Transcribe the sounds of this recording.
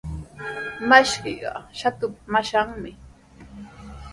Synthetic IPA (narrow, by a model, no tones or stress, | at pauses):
maʃkiɢɑ̰ʃat̪ʊpmaʃaŋmɪ